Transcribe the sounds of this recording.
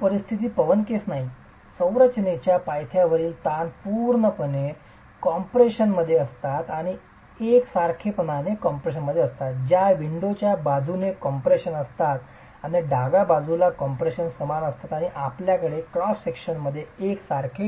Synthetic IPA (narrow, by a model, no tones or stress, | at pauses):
pəɾist̪ʰit̪iːpəʋənkesnaɦi | sə̃w̃ɾət͡ɕnet͡ɕjapajt̪ʰjaʋəɾiːlt̪anpuɾɳəpəɳe | kɔmpɾeɕənməd̪ʱːjeəst̪at̪aɽ̃i | eksaɾkʰepənanekɔmpɾeɕ̬ənməd̪ʱːjeəst̪at̪̚d͡ʑjaʋiɳɖot͡ɕjabad͡zʱunekɔmpɾeɕənəst̪at̪ | aniɖʱaɡabad͡zulakɔmpɾeɕənsəmanəst̪at̪aɽ̃iʔapljakəɽekɾɔssekɕənməd̪ʱːjeeksaɾkʰe